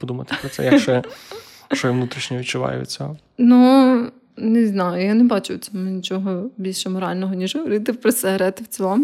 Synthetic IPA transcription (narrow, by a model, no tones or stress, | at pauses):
pɔd̪umɐt̪ɪpɾɔsɛ̰jaʃt͡ʃɔj | ʃt͡ʃɔjʋnut̪ɾʲiʃnʲɔʋʲit͡ʃʊʋɑ̰jʊ̰ʋḭd̪sʲɔ̰ | nu | nɛznɑjʊjanɛbɑt͡ʃʊt̪ʲsʲɐmɪnʲit͡ʃɔɦɔbʲilʲʃɛmɔɾɑlʲnɔɦɔnʲiʒʊɾʲid̪ɪwpɾɔsɛɦɾɛt̪ɪw̪t͡s̪ʲilˠɔm